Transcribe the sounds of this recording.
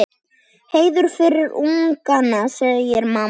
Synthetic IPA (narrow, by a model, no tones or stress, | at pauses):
heːjðʏɾ̥fɪɾɪɾuŋkanːasɛɣðɪjɛɾmaː